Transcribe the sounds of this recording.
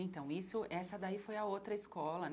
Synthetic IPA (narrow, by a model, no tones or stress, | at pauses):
ẽt̪ɐ̃w̃isʊʔɛsɐd̪aifojɐowt̪ɾɐiskɔlɐn